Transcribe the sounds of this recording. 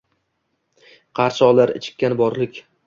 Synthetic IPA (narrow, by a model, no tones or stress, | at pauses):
qʰɑɾt͡ʃɒlaɾɪ̰t͡ʃʰɪ̥kʲːanbɒɾlɪkʲ